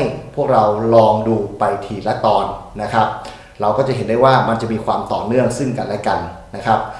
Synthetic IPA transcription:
jpʰu˥˩ək̚ɾa˧wlɔː˧ŋduː˧pa˧jt̪ʰiː˨˩t̪̚lɛ˦˥t̪ɔː˧nːa˦˥kʰɾa˦˥p̚ | ɾa˧wkɔː˥˩t͡ɕa˨˩ɦe˩˦nda˥˩jwaː˥˩ma˧nt͡ɕa˨˩ʔmiː˧kʰwaː˧mt̪ɔː˨˩nɯ˥˩əŋsɯ˥˩ŋka˧nlɛ˦˥ka˧nːa˦˥kʰɾa˦˥p̚

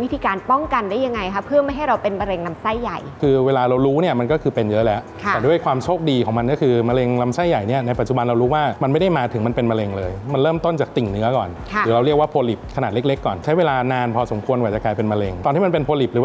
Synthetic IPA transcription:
wi˦˥t̪ʰiː˧kaː˧npɔ˥˩ŋka˧ndaː˥˩ja˧ŋːa˧jkʰa˦˥pʰːɯ˥˩əma˥˩jɦa˥˩jɾa˧wpe˧nma˧ɾe˧ŋla˧msa˥˩jːa˨˩jkʰɯː˧weː˧laː˧ɾa˧wɾuː˦˥ni˥˩ɐma˧nkɔ˥˩kʰɯː˧pe˧njɤ˦˥lɛ˦˥ʔkʰatɛː˨˩du˥˩əjkʰwaː˧mt͡ɕʰoː˥˩k̚diː˧kʰɔ˩˦ŋma˧nkɔː˥˩ɯː˧ma˧le˧ŋla˧msa˥˩jːa˨˩jni˥˩ɐna˧jpa˨˩t̪t͡ɕu˨˩ba˧nɾa˧wɾuː˦˥waː˥˩ma˧nma˥˩jda˥˩jmaː˧t̪ʰɯ˩˦ma˧npe˧nma˧le˧ŋlɤː˧jma˧nɾɤː˥˩mt̪o˥˩nt͡ɕaː˨˩k̚t̪i˨˩ŋnɯ˦˥ɐkɔː˨˩nʰ˧˩ɾɯː˩˦ɾa˧ɾi˥˩ək̚waː˥˩pʰoː˧li˨˩p̚kʰa˧naː˨˩t̪̚e˦˥k̚le˦˥kːɔː˨˩nt͡ɕʰa˦˥jweː˧laː˧naː˧npʰɔː˧so˨˩˦kʰu˧ənkaː˨˩t͡ɕa˨˩kaː˧jpe˧nma˧le˧ŋt̪ɔː˧nt̪ʰiː˥˩ma˧pe˧npʰoː˧li˨˩p̚ɯː˩˦

